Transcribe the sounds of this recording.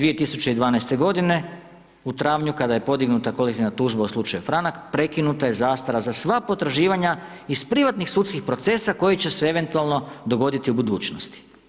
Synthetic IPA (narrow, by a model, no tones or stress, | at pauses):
ʋie̞t̪isut͡ʃe̞id̪ʋaːnajst̪e̞ɡo̞d̪ine̞ | ut̪ɾaːʋɲukad̪aje̞po̞d̪iɡnut̪ako̞lek̚t̪iʋnat̪uːʒbauslˠut͡ʃajufɾanakpɾe̞kinut̪aje̞zaːst̪aɾazasʋapo̞t̪ɾaʒiːʋaɲa | ispɾiʋat̪nixsut̪skixpɾo̞t̪se̞sako̞jit͡ɕe̞seeʋe̞nt̪ualˠno̞d̪o̞ɡo̞d̪it̪iubud̪uːt͡ʃnost̪i̥